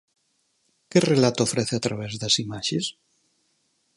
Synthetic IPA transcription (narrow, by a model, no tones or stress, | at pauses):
kerelat̪ofɾɛθeat̪ɾaβ̞ɛzðasimaʃes